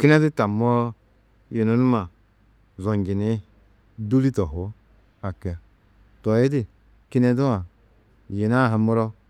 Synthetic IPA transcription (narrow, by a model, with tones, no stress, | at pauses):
ki˦nɛ˦di˦ta˨mɔ˦ | je˨no˨˦nu˦ma˨ | zɔ˨ŋ˨ɡi˨ni˦ | du˦li˦tɔ˨ɦo˨˦ | a˨ke˨a˨ | tɔ˨e˦di˦˨ | ki˦nɛ˦du˦ma˨ | je˨na˦˨ɦa˨mu˦ɾɔ˦